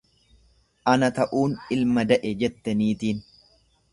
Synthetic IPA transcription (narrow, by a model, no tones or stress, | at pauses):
ʔɐnɐt̪ɐʔuːnɪlmɐd̪ɐʔɛd͡ʒɛt̪ːɐniːt̪iːn